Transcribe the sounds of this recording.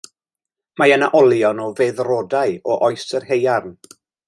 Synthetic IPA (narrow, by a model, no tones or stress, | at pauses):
majənaʔɔlˠjɔnɔveðrɔdajɔʔɔjsərɦejarn